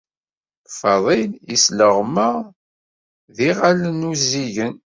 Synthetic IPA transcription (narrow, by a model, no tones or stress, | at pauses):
fɑðˤilisləʁməʁ | ðiʁalənuziʝən